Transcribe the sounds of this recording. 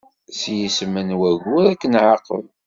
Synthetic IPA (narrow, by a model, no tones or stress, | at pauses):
sjismənwæʝʊɾækːənʕaqə̰l